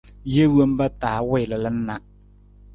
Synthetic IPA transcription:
je˦wo˦m˦ba˦taː˨˦wɪ˦˨lə˨lə˦n̩˦na˦

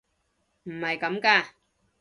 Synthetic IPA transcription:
m̩˨˩hɐ˨jkɐ˨˥mkaː˧

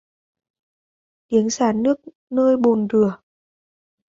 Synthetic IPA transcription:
t̪i˨˦əŋsaː˧˩nɨ˦˥ək̚ | nəː˧jɓo˨˩nzɨ˨˩ə

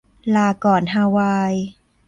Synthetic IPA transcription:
laː˧˩kɔː˨˩nɦaː˧waː˧j

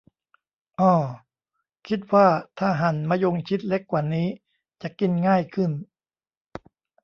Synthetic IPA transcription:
ʔɔː˧˩ | kʰi˦˥t̪̚waː˥˩t̪ʰaː˥˩ɦa˩˦nmaː˧jo˧ŋt͡ɕʰi˦˥t̪̚le˦˥kːwaː˨˩niː˦˥ | t͡ɕa˨˩ki˧nŋaː˥˩jkʰɯ˥˩n

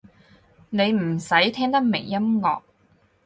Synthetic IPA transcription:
ne˨˧jm̩˨˩sɐ˨˥jt̪ʰɛː˥ŋt̪ɐ˥k̚me˨˩jːɐ˥mŋɔː˨k̚

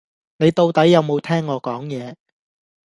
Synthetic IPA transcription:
ne˨˧jt̪o˧wt̪ɐ˨˥jːɐ˨˧wmo˨˧wt̪ʰɛː˥ŋːɔː˨˧kɔː˨˥ŋjɛː˨˧

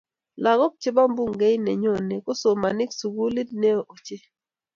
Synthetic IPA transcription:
la˨ɡɔ˦k̚t͡ʃe˦ba˦mbu˦ŋɡe˦jnɛ˨ɲo˦˨ne˨ko˦so˨ma˨nɪ˦ksu˨ɡu˦li˦d̚ne˦o˨ʔo˨t͡ʃe˦

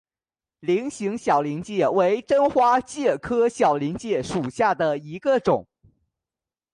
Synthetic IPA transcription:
li˧˥ŋɕi˧˥ŋɕjɑ˨˩ʊli˧˥ŋt͡ɕjɛ˥˩we˧˥ɪʈ͡ʂə˥nxwa˥t͡ɕjɛ˥˩kʰɤ˥ɕjɑ˨˩ʊli˧˥ŋt͡ɕjɛ˥˩ʂu˨˩ɕja˥˩d̪ə˩i˧˥ɡə˧ʈ͡ʂʊ˨˩˦ŋ

